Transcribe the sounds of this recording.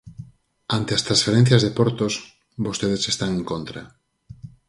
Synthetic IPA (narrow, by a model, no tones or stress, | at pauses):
ant̪east̪ɾãnsfeɾen̟θjazðepoɾt̪os | bost̪eð̞esest̪aŋẽŋkont̪ɾa